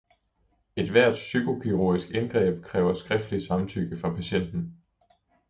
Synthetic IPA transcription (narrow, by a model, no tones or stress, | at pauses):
e̝d̥ʋæɐ̰d̥sykʰo̝kʰiʁo̝ɐisɡ̥enɡ̥ʁɛ̰ːb̥̚kʰʁɛːʊɐsɡ̥ʁɛfd̥li̥sɑ̈mnt͡sʰyɡ̥əfʁɑ̈pʰæɕen̰d̥n̩